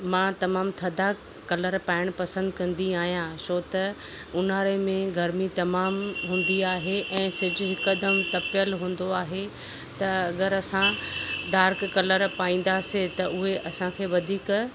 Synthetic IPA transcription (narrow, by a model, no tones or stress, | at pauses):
mãt̪ɐmaːmt̪ʰɐd̪a | kɐləɾpaːɪɽ̃pɐsə̃nd̪kɐ̃n̆d̪iaːɦijãsoːt̪ɐʊnaːɾemẽɡʱɐɾmit̪ɐmaːmɦũːnd̪iaːɦeʔɛ̃ːsɪd͡ʑʊɦɪkd̪əmt̪ɐpjəlɦũːn̆d̪oaːɦe | t̪ɐɐɡəɾɐsãɖaːɾkːɐləɾpaːĩːn̆d̪aset̪ɐʊɦeʔɐsãkʰeːʋɐd̪ʱiːk